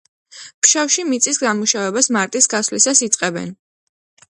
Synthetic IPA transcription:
pʃafʃimit̪sʼisɡamuʃavɛbasmaɾt̪ʼisɡasvlisasit̪sʼqʼɛbɛ̰n

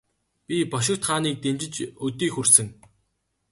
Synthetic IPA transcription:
pʲipɔʃ̬ɪ̆kt̪χaːniːk̚t̪emt͡ɕɪ̆t͡ɕɵt̪iːxursɘ̆ŋ

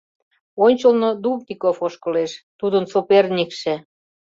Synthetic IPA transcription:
onʲt͡ɕəlnod̪ubt̪ikofoʃkɤ̆leʃt̪ud̪ənsopernʲikʃĕ

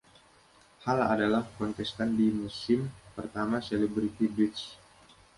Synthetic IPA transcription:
hala̰dalahkɔnt̪ɛst̪andimusɪmpərt̪amasɛlɛbɾit̪ibɾɪt̪s

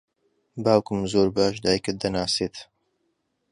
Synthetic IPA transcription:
baːwkɨmzoːɾbaːʃd̪aːjkɨt̪̚d̪ɐnaːseːt̪

